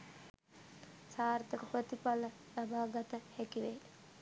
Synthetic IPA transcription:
saːrt̪əkəprət̪ipalə | labʱaːɡat̪əhɛkiʋe

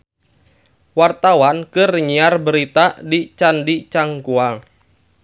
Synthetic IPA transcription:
wart̪awankɨrɲiarbəɾit̪adit͡ʃandit͡ʃaŋkua

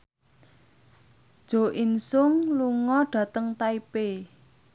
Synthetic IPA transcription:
d̥ʒ̥o̤ʔinsʊŋluŋɔɖ̥ä̤t̪əŋt̪aipe

